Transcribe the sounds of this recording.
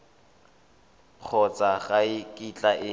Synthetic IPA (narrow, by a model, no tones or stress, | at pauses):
q͡χʰɔt͡sʼaɣaɪkʼit͡ɬʼaʔɪ